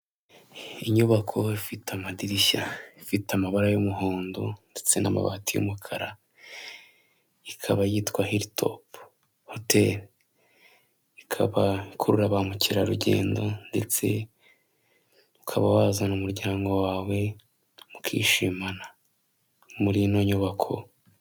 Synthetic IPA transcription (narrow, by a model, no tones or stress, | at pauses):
iɲuβakʰo̞ifitamadiɾiʃaifitamaβaɾajumuɦoːndonde̞t͡se̞na̰ma̰βa̰tijṵmukʰaɾa | ikʰaβajiːtkwahiɾitʰo̞̰p | hote̞ɾ | ikʰaβaikʰuɾuɾaβamuciɾaɾuɟe̞̰ːndo̞nde̞t͡se̞̰ | ukʰaβawaːzanumuɾɟaːŋɡo̞waːwe̞ | mukʰḭːʃimana | muɾinoɲuβakʰo̞̰